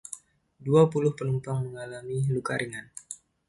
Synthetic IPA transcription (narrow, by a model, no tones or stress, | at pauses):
duapulʊhpənumpaŋməŋalamilukaɾiŋan